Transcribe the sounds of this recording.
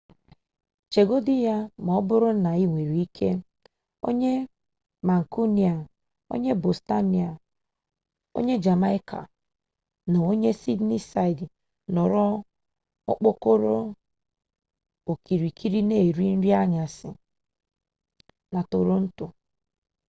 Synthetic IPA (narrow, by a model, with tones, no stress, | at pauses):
t͡ʃe˨ɡo˦di˦ja˦m˨ɔ˦bʊ˦ɾʊ˦na˨i˦ŋʷe˨ɾi˨i˦kʰe˦ | o̰˦ɲe˦ | ma˨ŋ̩˨ku˦ni˨a˨ | o̰˦ɲe˦bo˨sta˦ni˨a˨ | o̰˦ɲe˦d͡ʒa˨ma˦i˦kʰa̰˨ | no˨o˦ɲe˦si˦dni˦sa˦˨jd | nɔ˨ɾɔ˦ | ɔ˦k͡po˦ko˦ɾo˦ | o˨ki˨ɾi˨kʰi˦ɾi˦ne˦˨ɾi˦n̩˦ɾi˦a˦ɲa˨sɪ̰˨ | na˨to˨ɾo˦n̩˦tʊ˨